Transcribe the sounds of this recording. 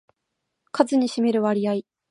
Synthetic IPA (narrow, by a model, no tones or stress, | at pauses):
kazɨɲ̟iɕime̞ɾɯ̟βaɾʲiai